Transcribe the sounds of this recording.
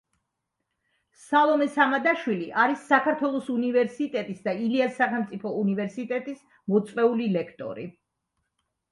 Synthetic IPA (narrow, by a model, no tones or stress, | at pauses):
salˠɔmɛsamad̪aʃwiliʔaɾisːakʰaɾt̪ʰwɛlˠɔsunivɛɾsit̪ʼɛt̪ʼisd̪ailiasaχɛmt̪sʼipʰɔunivɛɾsit̪ʼɛt̪ʼis | mɔt̪sʼqʼɛulilɛkʰt̪ʼɔ̰ɾḭ